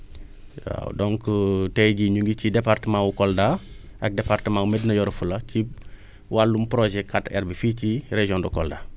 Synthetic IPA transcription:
wa̰w̰dɔŋkətɛjɟiɲuŋɡicidepartəmãwukɔlda | ʔɐ̰k̚departəmãumednɐjɔɾfulɐci | walːumpɾoʒɛkʰːatɛ̰ɾbificiɾeʒɔ̃ndɔkɔlda

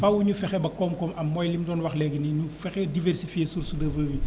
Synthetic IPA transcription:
fɐwːuɲufɛxɛbɐkɔːmkɔmɐmːɔjlimdɔːnwɐxlɛɡəniɲufɛxɛdivɛrsifijesursudɐvəːwi

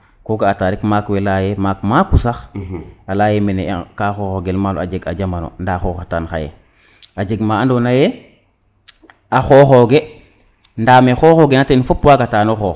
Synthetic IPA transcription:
koɡaːtaɾikmakwelajemaːk̚makusaxalajemenḛkaxoːxoɡelmalo̰a̰d͡ʒeɡa̰d͡ʒamano̰ndaxoːxataːnxa̰jḛ | ad͡ʒeɡmaːandonajɛ | axoːxoɡe | ndamexoːxoɡenatenfopwaɡataːnoxoː

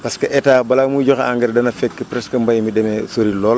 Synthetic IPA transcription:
pɐskɐʔɛtaːbɐlamuɟɔxa̰ŋɡɛɾdɐnɐfɛkːepɾɛskɐmbɐjmidɛmɛsoɾilɔːl

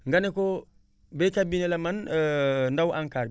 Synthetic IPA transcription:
ŋɡaneko | bekabinelaman | ndawʔaŋkaɾ

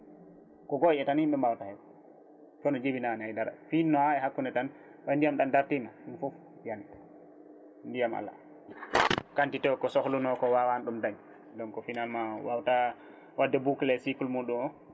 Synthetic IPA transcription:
kɔɡɔʔɛtanhimɓɛmawtahɛ | fɔnɔd͡ʒebinanajdaɾa̰finːɔhaɛhakːunɛtan | wajndijamɗandaɾtimaɗunfɔf | jant | ndijama̰la̰ | kantitɛkɔsɔhlunɔkɔwawanɗumdaɲ | dɔŋkɔfinalmawawta | wʔadːɛbuklɛsikulmuɗumɔ

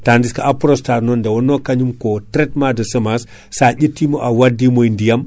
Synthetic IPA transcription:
tandiskaʔapɾostaɾnondawonokaɲumkotɾet̚madosəmas | saɟitːimoʔawadimoindijam

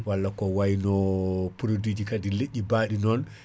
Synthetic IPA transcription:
walːakɔwajnɔpuɾodid͡ʒikadileʔʲːibaːɗinɔn

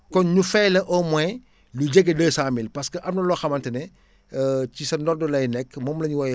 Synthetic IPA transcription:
kɔnɲufɛjlɐʔɔmɛ | luɟeɡɐdəːsamilpɐskəʔɐmnɐlɔxɐmɐntɐnɛ | cisɐndɔrdɔlɐjnɛkmɔːmlɐɲuwɐj

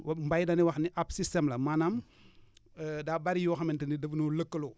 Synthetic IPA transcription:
wmbajdɐniwɐxniʔapsistɛmlɐmanam | dabaɾijɔxɐmɛntinidəfnɔləkːəlo

